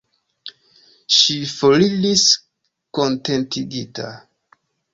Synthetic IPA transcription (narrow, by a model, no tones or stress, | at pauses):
ʃifolilis | ko̞nte̞ntiɡita̰